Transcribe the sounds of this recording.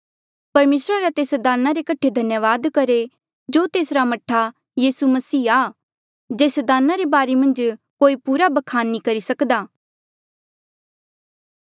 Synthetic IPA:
pɐɾmeːsɾaɾat̪eːsd̪aːnaɾekɐʈʰːed̪ʱɐnjəʋaːd̪kɐɾe | d͡ʒoːt̪eːsɾamɐʈʰa | jiːsumɐsiːa | d͡ʒeːsd̪aːnaɾebaːɾemɐ̃nd͡ʒkoːipuːɾabɐkʰaːnːikɐɾisɐkd̪aː

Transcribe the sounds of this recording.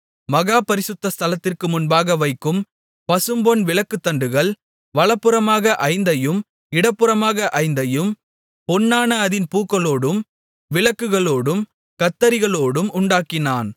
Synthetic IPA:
mɐɣaːpɐɾɪsɯt̪ːɐst̪ʰɐlɐt̪ːɪrkɯmʊnbaːɣɐʋɐɪkːɯm | pɐsɯmbɔnʋɪlɐkːɯt̪ːɐɳɖɯɣɐɭ | ʋɐɭɐpːɯɾɐmaːɣɐʔɐɪnd̪ɐjɯm | ɪɽɐpːɯɾɐmaːɣɐʔɐɪnd̪ɐjɯm | pɔnːaːnɐɐðɪnpuːkːɐɭoːɽɯm | ʋɪlɐkːɯɣɐɭoːɽɯm | kɐt̪ːɐɾɪɣɐɭoːɽɯmʊɳɖaːkːɪnaːn

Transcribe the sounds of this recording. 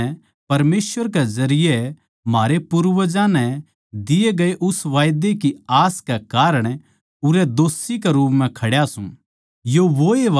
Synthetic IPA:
pɐɾmeːsʋəɾkezɐɾɪjɛ | maːɾepuɾʋəd͡ʒãnɛ̃ | d̪ɪeɡɐeʔʊsʋaːjd̪ekiaːskɛkaːɾəɽ̃ | ʊɾɛd̪oːsikɛɾuːpmɛ̃kʰɐɽjasũ | joʋoeʋ

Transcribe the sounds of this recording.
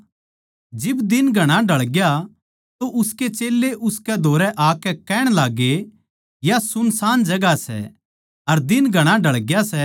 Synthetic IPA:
d͡ʒɪbd̪ɪnɡʱɐɽ̃ãɖʱɐɭɡja | t̪oʔʊsket͡ʃeːlːeʔʊskɛd̪ʱoːɾɛʔaːkɛkɛːɽ̃laːɡːe | jasʊnsaːnd͡ʒɐɡasɛ̰ | ɐɾd̪ɪnɡʱɐɽ̃aɖʱɐɭɡjasɛ

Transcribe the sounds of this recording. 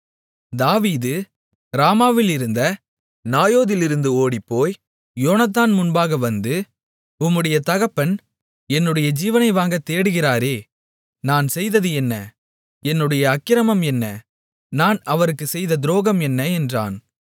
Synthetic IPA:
d̪aːʋiːðɯ | ɾaːmaːʋɪlɪɾɯnd̪ɐ | naːjoːðɪlɪɾɯnd̪ɯoːɽipːoːj | joːnɐt̪ːaːnmʊnbaːɣɐʋɐnd̪ɯ | ʊmːɯɽɐjɐt̪ɐɣɐpːɐn | ɛnːɯɽɐjɐd͡ʒiːʋɐnɐɪʋaːŋɡɐt̪ːeːɽɯɣɪraːɾeː | naːnsɛjðɐðɯɛnːɐ | ɛnːɯɽɐjɐːkːɪɾɐmɐmɛnːɐ | naːnɐʋɐɾɯkːɯsɛjðɐd̪ɪɾoːɣɐmɛnːɐɛndra̰ːn

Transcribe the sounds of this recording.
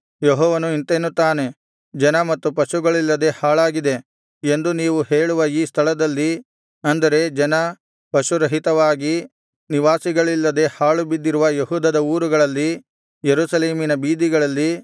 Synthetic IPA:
jeɦɔːʋɐnuint̪eːnut̪aːne̞ | d͡ʒɐnɐmɐt̪ːupɐʃuɡɐɭilːɐd̪e̞haːɭaːɡid̪e̞ | e̞nd̪uniːʋuhe̞ːɭuʋɐiːst̪ʰɐɭɐd̪ɐlːi | ɐnd̪ɐɾe̞d͡ʒɐnɐ | pɐʃuɾɐɦit̪ɐʋaːɡi | niʋaːsiɡɐɭilːɐd̪e̞haːɭubid̪ːiɾuʋɐjeɦuːd̪ɐd̪ɐuːɾuɡɐɭɐlːi | jeɾuːsɐle̞ːminɐbiːd̪iɡɐɭɐlːi

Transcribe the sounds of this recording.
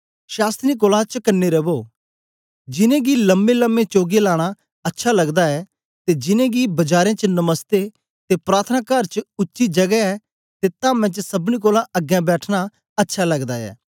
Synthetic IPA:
ʃaːst̪ɾik̬oːlãt͡ʃəkənːeɾɐboː | d͡ʒɪnẽɡilɐmbelə̃mːẽt͡ʃoːɡelaːɽ̃a | ɐtːʃʰalɐɡd̪aɛː | t̪ed͡ʒɪnẽɡibɐd͡ʒaːɾẽt͡ʃənɐməst̪e | t̪epɾaːɾt̪ʰənaːkɐɾt͡ʃʊtːʃid͡ʒɐɡɛɛ | t̪et̪ãːmɛ̃t͡ʃsɐbnik̬oːlãʔɐɡjãbɛːʈʰña | ɐtːʃʰalɐɡd̪aɛ̰ː

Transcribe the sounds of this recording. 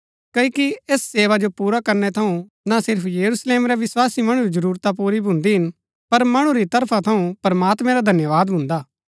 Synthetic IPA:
kɐikieːsːeːʋad͡ʒopuːɾakɐɾnɛt̪ʰɐũ | nasɪɾpʰjɐɾusleːmɾɛʋɪswaːsimɐɽ̃ɾid͡ʒɐɾuːɾt̪ap̬uːɾibʱʊ̃nd̪iɦɪn | pɐɾmɐɽ̃ũɾit̪ɐɾpʰat̪ʰɐũpɾɐmaːt̪mɛ̃ɾad̪ʱɐnjəʋaːd̪bʱʊ̃nd̪aː

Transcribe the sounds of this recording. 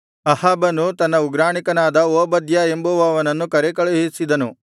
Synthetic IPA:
ɐhaːbɐnːut̪ɐnːɐuɡɾaːɳikɐnaːd̪ɐoːbɐd̪jɐe̞mbuʋɐːʋɐnɐnːukɐɾekɐɭɐɦisid̪ɐnu

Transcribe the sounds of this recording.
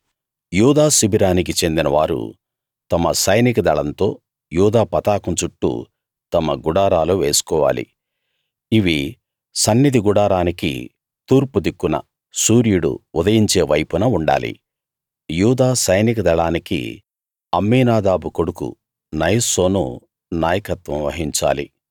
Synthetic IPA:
juːd̪aːsibʱiɾaːnik̬it͡ʃe̞nd̪inɐʋa̰ːɾṵ | t̪ɐmɐsɐjnikɐd̪ɐɭɐnt̪o̞̰ː | juːd̪aːpɐt̪aːkɐnt͡ʃuʈːṵ | t̪ɐmɐɡuɽaːɾaːloːʋeːsu̥kɔːʋa̰ːlḭ | iʋi | sɐnːid̪iɡuɽaːɾaːnikḭ | t̪uːɾpud̪ikːunɐ̰ | suːɾjuɽṵːd̪ɐjiɲt͡ʃe̞ːʋɐjpunɐuɳɖa̰ːlḭ | juːd̪aːsɐjnikɐd̪ɐɭaːnikḭ | ɐmːiːnaːd̪aːbukoɽukṵ | nɐjso̞ːnṵ | naːjɐkɐt̪ʋɐ̃mʋɐɦiɲt͡ʃa̰ːlḭ

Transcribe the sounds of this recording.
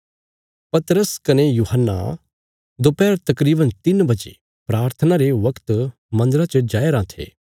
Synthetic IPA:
pɐt̪ɾəskɐnejuːɦənːa̰ | d̪opɛːɾt̪ɐkɾiːbənt̪ɪnbɐd͡ʒḛ | pɾaːɾt̪ʰənaɾeʋɐkt̪ | mɐ̃nd̪əɾat͡ʃəd͡ʒaːeɾãːt̪ʰḛː

